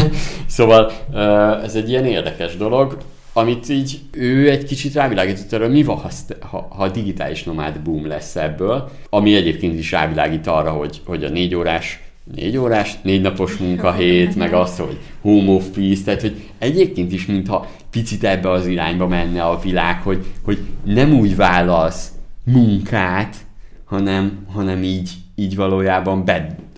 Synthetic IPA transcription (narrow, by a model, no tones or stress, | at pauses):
soːvɒløːɛzɛɟːijɛneːrd̪ɛkɛʒd̪o̞lo̞ɡ | ɒmit̪iːɟ | øːɛɟkit͡ʃit̪raːvilaːɡiːt̪ot̪ːɒrɒɦomivɒhɒshɒ̰hɒd̪iɡit̪a̰ːliʃno̞ma̰ːd̪buːmlɛ̰sːɛbːøːl | ɒmiɛɟeːp̚keːnt̪iʃra̰ːvila̰ːɡiːt̪ɒrːɒɦo̞ɟho̞ɟɒ̰neːɟoːɾaːʃ | nḛːɟoːɾaːʃneːɟnɒpo̞ʃmuŋkɒɦeːt̪mɛɡɒst̪ho̞̰ɟ | hoːmofist̪aːt̪ho̞ɟ | ɛɟeːp̚keːnt̪iʃmint̪hɒ | pit̪sit̪ɛbːɛɒziɾaːɲbɒmɛnːɛɒvilaːkho̞ɟho̞ɟnɛmuːɟvaːlːɒlsmuŋkaːt̪ | hɒnɛmɦɒnɛmiːɟ | iːɟvɒloːjaːbɒmbɛ